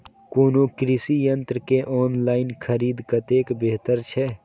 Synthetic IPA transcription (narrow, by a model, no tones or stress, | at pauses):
koːnoːkɾɪsijə̃nt̪ɾəkeʔɔːnlaːɪnkʰəɾiːd̪kɐt̪eːkbeːɦt̪əɾt͡ʃʰɛː